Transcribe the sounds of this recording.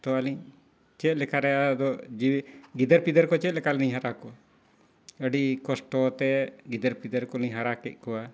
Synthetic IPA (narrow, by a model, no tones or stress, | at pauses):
t̪ɔaliɲ | t͡ʃɛt̪̚lɛkʰaɾɛad̪ɔd͡ʒiɡid̪əɾpid̪əɾkɔt͡ʃɛt̪̚lɛkalɛnĩɦaɾakɔa | əɖikɔsʈɔt̪ɛɡid̪əɾpid̪əɾkɔliɲɦaɾakɛc̚ˀkɔwa